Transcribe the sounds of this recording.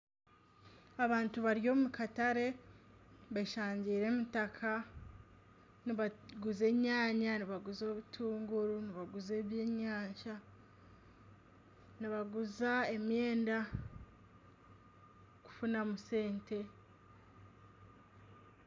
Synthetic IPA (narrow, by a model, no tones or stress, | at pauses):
aβaːntuβaɾijo̞mukataɾe̞ | βaʃaːɲɟiːɾe̞mutakʰa | niβaɡuze̞ːɲaːɲaniβaɡuzoβutʰuːŋɡuɾuniβaɡuze̞ːβjeːɲaːɲʃa | niβaɡuzae̞mje̞ːnda | ku̥funamuse̞ːntʰe̞